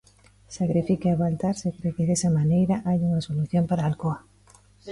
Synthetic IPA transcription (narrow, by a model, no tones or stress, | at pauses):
sakɾifikaaβalt̪aɾsekɾekeðesamanejɾaʔajunasoluθjo̞mpaɾaːlkoa